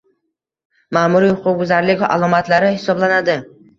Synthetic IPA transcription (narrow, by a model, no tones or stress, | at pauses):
maːmʊɾiʊqʰʊʊzaɾlɪkʲa̰lˠɒmat̪laɾɪhɪsɒblanad̪ɪ